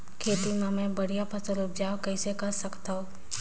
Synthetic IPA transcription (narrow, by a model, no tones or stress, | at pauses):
kʰeːt̪imẽmẽbɐɽijapʰɐsəlʊp̚d͡ʒaːwkəɪsekɐɾsɐkt̪aɦõː